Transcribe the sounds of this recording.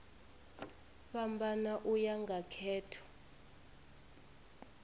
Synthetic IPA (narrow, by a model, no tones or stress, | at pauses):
ɓambanaʔujaŋɡʱakʰɛːtʰɔ̥